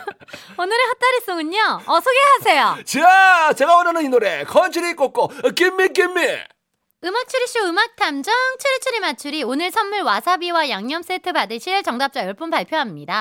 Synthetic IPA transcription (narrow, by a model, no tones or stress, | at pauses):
onɯɾehat͈aɾis͈oŋɯɲːoʌsʰoɡeɦasʰe̞jot͡ɕiat͡ɕe̞ɡawʌnanɯninuɾe̞kʰʌnt͡ɕʰɯɾik͈ok͈ok͈imːik̬͈imːi | ɯmak̚t͡ɕʰɯɾiɕ͈uɯmak̚tʰamd͡ʑʌŋt͡ɕʰɯɾit͡ɕʰɯɾimat͡ɕʰuɾionɯɭsʰʌnːuɭwasʰabiwajaŋɲʌms͈etʰɯbadɯɕʰiɾeɭt͡ɕʌŋdap̚t͡ɕ͈ajʌɭp͈ɯmpaɭpʰjoɦamɲida